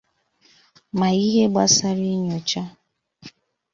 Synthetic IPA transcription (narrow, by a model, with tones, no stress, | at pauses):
ma˨i˦ɦe˦ɡ͡ba˦sa˦ɾi˦ɲo˨t͡ʃa˦